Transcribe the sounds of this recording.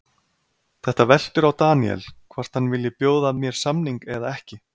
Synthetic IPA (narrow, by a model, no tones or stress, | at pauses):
θɛht̪avɛl̥t̪ʏɾawt̪aːniɛ̰lkʰvar̥t̪hanːvɪlːjɪpjoːwðamjɛɾ̥samniŋkɛðaɛhcɪ